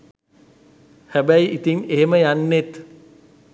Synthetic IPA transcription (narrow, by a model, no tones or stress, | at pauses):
hæbæjʔit̪iŋeɦeməjanːet̪